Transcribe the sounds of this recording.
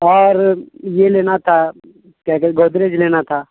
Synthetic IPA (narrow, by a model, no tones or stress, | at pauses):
ɔːɾjeleːnat̪ʰa | kɛkɡoːd̪ɾed͡ʒleːnat̪ʰaː